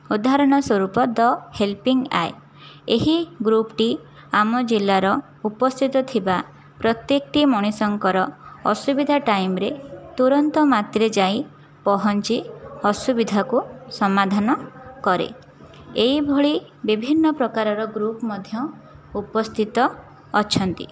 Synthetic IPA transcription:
ud̪aɾɔɽ̃ɔswɔɾupɔd̪ɔhelpiŋɡa̰e | eɦiɡɾupʈi | amɔd͡ʒilːaɾɔ | upɔst̪ʰit̪ɔt̪ʰiba | pɾɔt̪jekʈimɔɽ̃isɔŋkɔɾɔɔsubid̪ʱaʈajmɾet̪uɾɔnt̪ɔmat̪ɾed͡ʒaj | pɔɦɔnt͡ʃiɔsubid̪ʱakusɔmad̪ʱanɔkɔɾḛ | eibʱoɭibibʱinːɔpɾɔkaɾɔɾɔɡɾupmɔd̪ʱjɔ | upɔst̪ʰit̪ɔː | t͡ʃʰɔnt̪ḭ

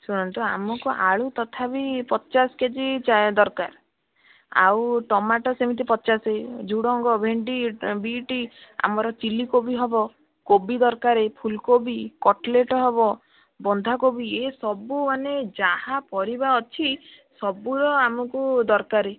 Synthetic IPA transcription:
suɽ̃ɔnt̪ua̰mɔkuʔaɭut̪ɔt̪ʰabipɔt͡ʃasɔ̥ked͡ʒit͡ʃad̪ɔɾkaɾ | a̰wʈɔmaʈɔsemit̪̬ipɔt͡ʃased͡ʒuɽɔŋɡɔbʱeɳɖibiʈia̰mɔɾɔt͡ʃilikobiɦɔbɔ | kobid̪ɔɾkaɾepʰulkobikɔʈleʈɔɦɔbɔ | bɔnd̪ʱakobiesɔbumaned͡ʒahapɔɾibaɔt͡ʃʰi | sɔbuɽɔamɔkud̪ɔɾkaɾe

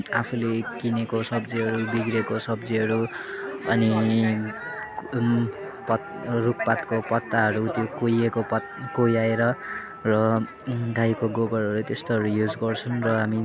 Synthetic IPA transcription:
apʰulekinekosʌbd͡ziɦʌɾubiɡɾekosʌbd͡ziɦʌɾuʌni | pʌ | ruk̚pat̪kopʌt̪ːaɦʌɾut̪jokojekopʌ | kojaeɾʌ | rʌ | ɖʱajkoɡoɡʌrɦʌɾut̪est̪oɦʌɾujud͡zɡʌrt͡sʰʌnrʌɦami

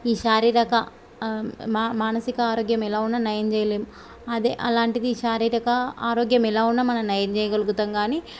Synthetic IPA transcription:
iːʃaːɾiːɾɐkɐ | mamaːnɐsikɐaːɾoːɡjɐmɛlaːunːɐnjɐjɐmd͡ʒɛjɐleːmu | ɐd̪ḛʔɐlaːɳʈid̪iːʃaːɾiːɾɐkɐaːɾoːɡjɐmɛlaːunːɐmɐnɐmnɐjɐnd͡ʒɛːjɐɡɐluɡut̪ɐŋɡaːni

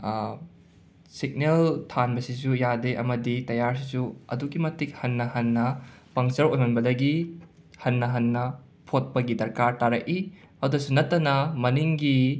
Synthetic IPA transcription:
sik̚neltʰanbɐsizujadeʔɐ̰mɐditɐjaɾsizuɐ̰duɡimɐtʰik̚hɐnːɐhɐnːɐpɐŋt͡ʃɐɾojmɐnbɐdɐɡi | hɐnːɐɦɐnːɐ | pʰot̚pɐɡidɐɾkaɾtaɾɐki | ɐwdɐsunɐtːɐnɐmɐniŋɡi

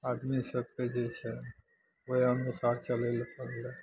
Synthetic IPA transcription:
ad̪misəb̚ked͡ʒet͡ʃʰɛ | wojənesaɾt͡ʃəlelpəɾle

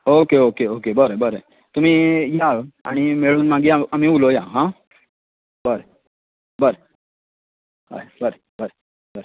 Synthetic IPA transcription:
oːkeoːkeoːkebəɾebəɾe | t̪um̤ĩjaa̰ɽ̃imeɭuːnmãːŋɡiaɐmĩulojaːɦã | bəɾe | bəɾe | ɦa̰bəɾe | bəɾe | bəɾ

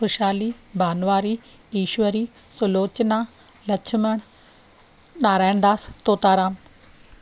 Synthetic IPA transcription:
xʊʃaːlibʱaːnʋaːɾi | iːʃʋəɾiː | sʊloːt͡ɕnaː | lɐt͡ʃʰɪməɽ̃ | ɗaːɾaːɪn̆d̪aːst̪oːt̪aːɾaːm

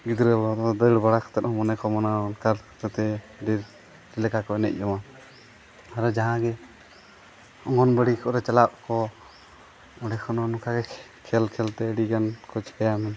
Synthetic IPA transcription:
ɡid̪ɾəlɔt̪d̪əɽbaɽakʰɔ̥t̪ɛt̪̚hɔ̃mɔnɛkɔmɔnankaɾt̪at̪ɛ | d̪iɾ | d͡ʒilɛkakɔɛnɛ̰c̚ˀɔma | aɾɔd͡ʒaɦãɡɛ | ɔ̰ŋɡɔnbəɽikʰɔʔɾɛt͡ʃalap̚kɔ | ɔɖɛkʰɔnɔnɔkʰaɡɛ | kʰɛlkʰɛlt̪ɛəɽikankʰɔt͡ʃkajamɛ

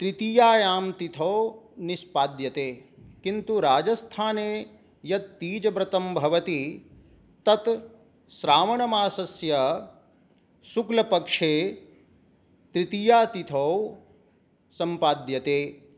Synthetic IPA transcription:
t̪ɾit̪ijaːjaːmt̪it̪ʰɐwnispaːd̪jɐt̪eːkint̪uɾaːd͡ʒɐst̪ʰaːneː | jɐt̪ːiːd͡ʒɐbɾɐt̪ɐmbʱɐʋɐt̪i | t̪ɐt̪ | ʃɾaːmɐɳɐmaːsɐsjɐ | suklɐpɐkʂeː | t̪ɾit̪ijaːt̪it̪ʰɐw | sɐmpaːd̪jɐt̪eː

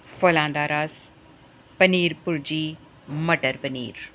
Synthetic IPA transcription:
foːlãːnd̪aːɾaːs | pəniːɾpʊɾd͡ʒiː | mɐʈəɾpɐniːɾ

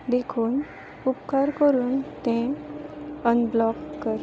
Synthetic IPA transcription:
d̪ekʰuːn | upkaɾkəɾuːnt̪ẽ | ənblɔkːəɾ

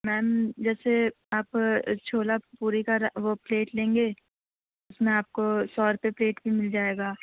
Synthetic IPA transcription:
mɛːmd͡ʒɛːse | aːpt͡ʃʰoːlapuːɾikaɾʋopleːʈlẽːŋɡeː | ʊsmẽaːp̚kosɔːɾpepleːʈbʱimɪld͡ʒaːeːɡaː

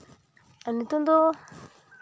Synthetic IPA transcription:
anitond̪o

